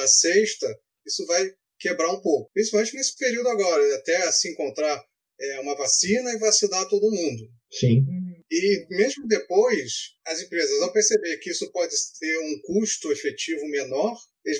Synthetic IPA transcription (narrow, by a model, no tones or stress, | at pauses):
ɐseʃt̪ɐ | isʊvaj | kebɾaũpowkʊ̥pɾĩsip̬awmẽt͡ʃɪnesɪ̥peɾiuwd̪ʊaɡɔɾɐɪat̪ɛsɪẽŋkõnt̪ɾaɾ | ɛũmɐvasĩnɐɪvasid̪at̪od̪ʊmũnd̪ʊ | sĩɪmezmʊd̪epojsɐzẽpɾezɐzawpeɾsebeɾkɪisʊpɔd͡ʒɪt̪eɾũkuʃt̪ʊefet͡ʃivʊmenɔɾ | eɪ